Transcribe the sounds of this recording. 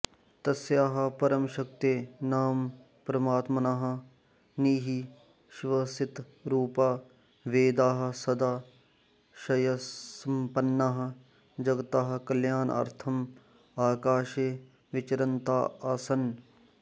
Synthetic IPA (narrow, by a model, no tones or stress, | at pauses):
t̪ɐsjaːɦɐ̆pɐɾɐmʃɐk̚t̪eːnaːm | pɾɐmaːt̪mɐnaːɦɐ̆ | niːɦi | ʃʋɐsɪt̪ | ɾuːpaː | ʋeːd̪aːɦɐ̆sɐd̪aː | ʃɐjɐsɐmpɐnːaːɦɐ̆ | d͡ʒɐɡɐt̪aːɦɐ̆kɐljaːnɐ̰ɾt̪ʰɐm | aːkaːʃeː | ʋɪt͡ʃɐɾɐnt̪a̰ːaːsɐn